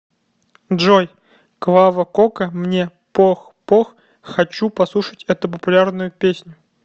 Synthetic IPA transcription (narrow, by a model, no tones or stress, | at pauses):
dʐoj | kvavəkokəmnʲepox | pox | xɐt͡ɕupɐslˠuʂətʲɛt̪ʊp̬əpʊlʲarnʊjʊpʲesʲnʲʊ